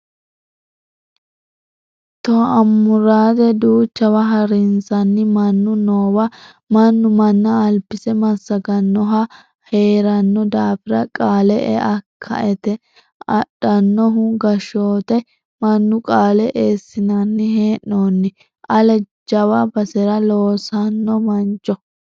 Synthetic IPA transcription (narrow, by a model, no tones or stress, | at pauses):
t̪ɔɐmːʊɾaːd̪ɛd̪uːt͡ʃːɐwɐɦɐɾɪnsɐnːɪmɐnːʊnoːwɐ | mɐnːʊmɐnːɐːlpːɪsɛmɐsːɐɡɐnːɔɦɐ | he̞ːɾɐnːɔd̪aːfɪɾɐkʼaːlɛʔɛ̰ʔɐkʰːɐ̰ʔɛt̪ɛ | ɐɗːɐnːɔɦʊɡɐʃoːt̪ɐ | mɐnːʊkʼaːlɛʔeːsːɪnɐnːɪɦeːnːoːnːɪ | ʔɐlɛ | d͡ʒɐwɐbɐsɛɾɐloːsɐnːɔmɐnt͡ʃːɔ